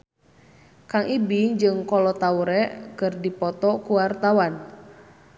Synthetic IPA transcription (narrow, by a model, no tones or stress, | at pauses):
kaŋʔibiŋd͡ʒɨŋkɔlɔt̪auɾɛʔkɨrdipɔt̪ɔkuwart̪awan